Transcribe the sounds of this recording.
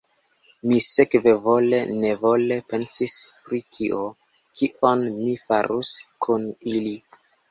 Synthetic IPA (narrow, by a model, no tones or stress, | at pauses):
misekve̞vo̞le̞nevo̞le̞pe̞nsispɾitʰiʔo̞ | kʰiʔonmifaɾuskʰunili